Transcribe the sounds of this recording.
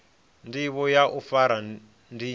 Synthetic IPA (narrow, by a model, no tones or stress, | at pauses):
ndiβɔjaʔufaɾa | ndi